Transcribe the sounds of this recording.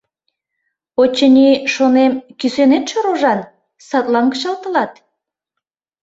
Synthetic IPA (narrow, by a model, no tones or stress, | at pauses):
ot͡ɕːənʲiʃonemkysønet̪ʃoɾoʒɑn | sɑt̪lɑŋkə̥ʃɑlt̪ə̆lɑt̪